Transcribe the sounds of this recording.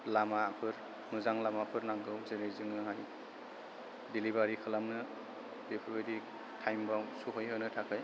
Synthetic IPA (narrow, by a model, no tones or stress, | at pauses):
lamapʰɯɾ | nuzaŋlamapʰɯɾnaŋɡɯwzelezɯŋnɯŋaj | dilibaɾikʰɯlamnɯ | bepʰɯɾbɯdi | tʰajmbasuɦojɦɯjnɯtʰakʰɯj